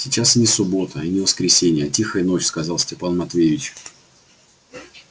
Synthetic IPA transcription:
sʲɪt͡ɕasnʲɪsʊbo̞t̪əinʲɪvəskɾʲɪsʲenʲɪjətʲixəjɪno̞t͡ɕskɐzɑlˠsʲtʲɪpanmɐt̪vʲevʲɪt͡ɕ

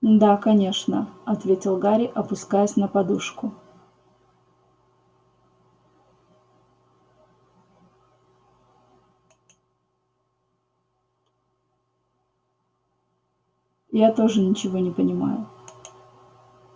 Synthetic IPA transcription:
d̪akɐnʲe̞ʂnəɐt̪vʲetʲɪlˠɡaɾʲɪʔɐpʊskajʊsʲnəpɐd̪uʂkʊ | jat̪o̞ʐɨnʲɪt͡ɕɪvo̞nʲɪpənʲɪma̰jʊ

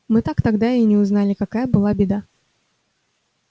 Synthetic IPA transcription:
mɨt̪akt̪ɐɡd̪aɪjnʲɪʊznalʲɪkɐkajəbɨlˠabʲɪd̪a

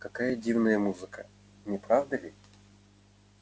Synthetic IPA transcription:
kɐkajədʲivnəjəmuzɨkə | nʲɪpɾavd̪əlʲɪ

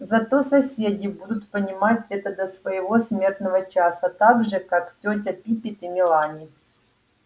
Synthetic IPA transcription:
zɐt̪osɐsʲedʲɪbud̪ʊt̪pənʲɪmatʲɛt̪əd̪ɐsvəjɪvo̞sʲmʲe̞rt̪nəvət͡ʃasɐt̪aɡʐɨkaktʲot̬ʲɐpʲipʲɪt̪imʲɪlˠanʲɪ

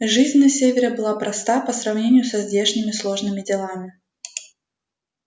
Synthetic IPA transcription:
ʐɨzʲnʲnɐsʲevʲɪɾʲɪbɨlˠapɾɐst̪apəsɾɐvnʲenʲɪjʊsɐzdʲeʂnʲɪmʲɪslˠo̞ʐnɨmʲɪdʲɪlˠamʲɪ

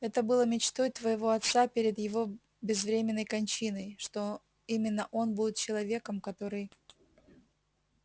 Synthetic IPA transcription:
ɛt̪əbɨlˠəmʲɪt͡ɕt̪o̞jt̪vəjɪvo̞ɐt̪sapʲeɾʲɪd̪jɪvo̞ | bʲɪzvɾʲemʲɪnːəjkɐnʲt͡ɕinəjʂt̪o̞ | imʲɪnːəʔo̞nbudʲɪt̪t͡ɕɪlˠɐvʲe̞kəmkɐt̪o̞ɾɨj

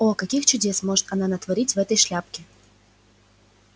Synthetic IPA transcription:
okɐkʲixt͡ɕʊdʲe̞smoʐɨt̪ɐnanət̪vɐɾʲitʲvɛt̪əjʂlʲap̚kʲɪ

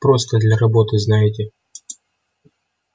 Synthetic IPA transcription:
pɾost̪əd̪lʲɐɾɐbo̞t̪ɨznajɪtʲɪ

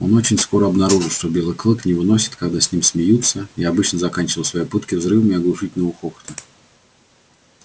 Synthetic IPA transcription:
o̞not͡ɕɪnʲsko̞ɾəɐbnɐɾuʐɨlˠʂt̪obʲelˠɨjklˠɨknʲɪvɨnosʲɪ̥t̪kaɡd̪asʲnʲimsʲmʲɪjut̪sːəiɐbɨt͡ɕnəzɐkanʲt͡ɕɪvəlˠsvɐjejpɨt̪kʲɪvzɾɨvəmɪɐɡlˠʊʂɨtʲɪlʲnəvʊxoxə̥t̪ə

